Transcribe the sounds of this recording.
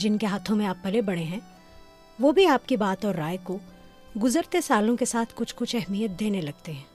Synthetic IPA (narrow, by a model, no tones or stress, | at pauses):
d͡ʒɪnkeɦaːt̪ʰõmẽaːpːɐlebɐɽ̃eɦɛ̃ː | ʋobʱiaːpkibaːt̪ɔːɾːaːjko | ɡʊzəɾt̪esaːlõkesaːt̪ʰkʊt͡ʃʰkʊt͡ʃʰɛɦmijət̪̚d̪eːnelɐɡ̚t̪eɦɛ̃ː